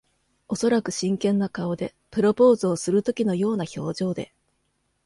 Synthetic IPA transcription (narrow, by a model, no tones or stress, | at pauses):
o̞so̞ɾakɯ̟ɕĩŋkẽ̞nːakao̞d̪e̞ | pɯ̟ɾo̞po̞ːzɨːsɨɾɯ̟t̪o̞kʲino̞jo̞ːnaço̞ːʑo̞ːd̪e̞̰